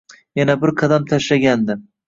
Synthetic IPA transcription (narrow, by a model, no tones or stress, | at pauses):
janabɪɾqʰɑd̪amt̪ʰaʃlaɡʲand̪ɪ